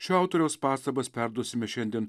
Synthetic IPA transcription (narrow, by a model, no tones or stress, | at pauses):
ʃʲɛˑʊt̪oɾʲɛʊspɑːst̪ɐbɐspʲæˑɾd̪uɔsʲɪmʲɛʃʲɛnʲd̪ʲiɛn